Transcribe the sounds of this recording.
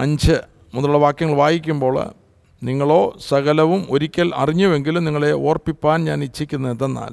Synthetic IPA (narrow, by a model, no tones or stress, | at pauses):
ɐɲd͡ʑɨ | munːɐluɽɐʋaːkːjɐŋːɐɭʋaːjikʲːumbo̞ːɭ̰ | niŋːɐɭo̞ːsɐɣɐlɐʋumo̞ɾikʲːɐlɐ̰riɲːuʋe̞ŋɡilumniŋːɐɭe̞ʔoːrpːipːaːnɲaːnit͡ɕːikʲːunːɐðenːa̰ːl